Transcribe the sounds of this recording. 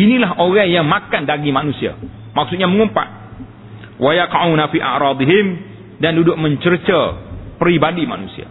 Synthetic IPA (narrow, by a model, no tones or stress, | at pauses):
inilaɦʔoɾaŋjaŋmakandaɡimanusia̰ | mak̚sut̪̚ɲaməŋumpa̰ʔ̚ | wajaqʕunafiʔa̰ʔɾɑːd̪iɦɪm | dandudʊk̚mə̃ɲt͡ʃərt͡ʃəpəɾibadima̰nusia̰